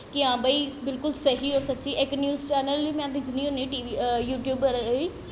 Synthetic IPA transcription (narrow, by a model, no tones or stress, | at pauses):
kɪãːbəiːbɪlkʊlsəɦiːɔːɾsətːʃiːʔɪknjuːzt͡ʃɛːɾnəliːmɛ̃ːd̪ɪkʰnĩːoːnẽːʈiːʋijuːʈjuːbəɾiː